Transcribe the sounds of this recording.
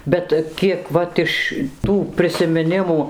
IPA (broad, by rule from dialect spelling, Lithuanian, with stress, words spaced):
ˈbʲɛt ˈkʲiɛk ˈʋɐt ɪʃ ˈtuː pʲrʲɪsʲɪmʲɪˈnʲɪmuː